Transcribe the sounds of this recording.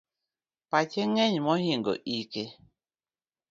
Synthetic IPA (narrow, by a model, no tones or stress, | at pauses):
pat͡ʃeŋɛɲmɔhiŋɡo̰ʔike